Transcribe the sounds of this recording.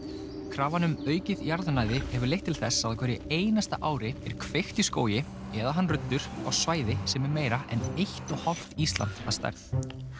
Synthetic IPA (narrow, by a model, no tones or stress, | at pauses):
kʰɾaːvanʏmœːɥcɪðjaɾðʏnaːjðɪhɛvʏɾlejht̪ːʰɪlθɛsːaðakʰvɛɾjɪeːjnast̪a̰ʔaːwɾɪɛɾ̥kʰvext̪isko̰ːwjɪ | ɛðaɦanrʏt̪ːʏɾ̥a̰ɣsvaːjðɪsɛmɛɾmeːjɾaʔɛnejht̪ɔɣhal̥t̪ist̪la̰nt̪a̰ðst̪a̰jɾθ